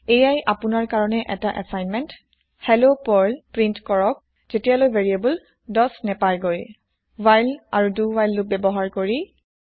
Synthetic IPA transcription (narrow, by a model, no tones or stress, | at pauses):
ejajʔapunaɹkaɹɔnɛʔɛtaʔasajnmɛnt | hɛlopɔɹlpɹintkɔɹɔk̚ | z̥etijalojbʱeɹiabul | dɔsnɛpaɹɡoj | wajlaɹuduwajlːʊk̚bɛbɔɦaɹkoɹi